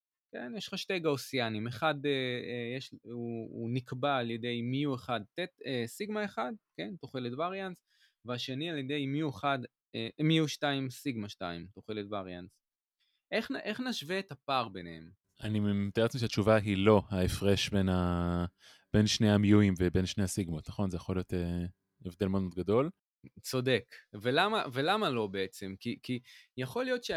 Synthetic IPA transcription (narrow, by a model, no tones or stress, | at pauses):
kḛnjeʃχaʃtejɡaosianimeχadeejeʃuːnikballjede̞jmiueχad̪̚t̪et̪esiɡmaeχad̪̚ke̞nt̪oχeletvaʁjans | veaʃe̞nialjed̪e̞jmiueχad | emiuʃtaimsiɡmaʃta̰ḭmt̪oχeletvaʁjans | ʔeχʔeχnaʃveːtapaʁbenehḛm | anit̪oet͡smiʃeat͡ʃuvaɦilo̞haefʁeʃbe̞na | b̥e̞nʃneamijuimvebe̞nʃnejasiɡmotnaχo̞nzejaχo̞lijo̞t̪e | evd̪elmeod̪modɡado̞l | t͡so̞de̞kvelamave̞lamalo̞beet͡se̞mkikijaχo̞lijo̞tʃe